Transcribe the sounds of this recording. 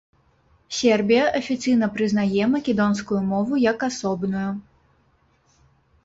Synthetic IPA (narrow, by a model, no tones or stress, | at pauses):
sʲɛrbʲijɐʔɐfʲit̪sɨjn̪ɐpɾɨznajɛmɐkʲɛd̪ɔnskujumɔvujɐkasɔbnuju